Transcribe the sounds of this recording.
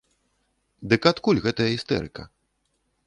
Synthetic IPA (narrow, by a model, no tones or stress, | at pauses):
d̪ɨkat̪kulʲɣɛt̪ɐjɐɣist̪ɛ̰ɾɨ̰kɐ̰